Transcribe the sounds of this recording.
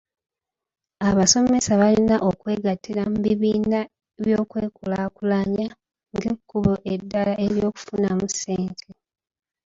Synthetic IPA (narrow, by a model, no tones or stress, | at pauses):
aβaso̞me̞saβalinaʔo̞kwe̞ːɡatʰːiɾamuβiβiːna | eβjo̞ːkweːkulaːkulaɲa | ŋɡekːuβoʔedːalaʔeɾjo̞ːku̥funamuseːntʰe